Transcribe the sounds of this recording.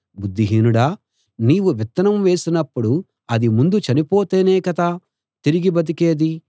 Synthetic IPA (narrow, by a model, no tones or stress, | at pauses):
bud̪ːiɦiːnuɽaː | niːʋuʋit̪ːɐnɐmʋe̞ːsinɐpːuɽu | ɐd̪imund̪ut͡ʃɐnipoːt̪eːneːkɐt̪a | t̪iɾiɡibɐt̪̬ike̞ːd̪i